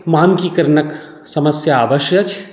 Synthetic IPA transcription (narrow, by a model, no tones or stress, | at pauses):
maːnkikɐɾnɐk | sɐməsjaːʋɐʃjɐt͡ʃʰ